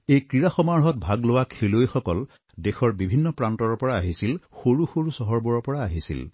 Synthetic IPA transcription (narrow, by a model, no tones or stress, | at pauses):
ejkɹiɹaxɔmaɹɦɔt̚bʱaɡlowakʰelojxɔkɔl | dexɔɹbibʱinːɔpɹantɔɹɔpɔɹaaɦisilxoɹuxoɹusɔɦɔɹbɔɹɔpɔɹaːɦisḭl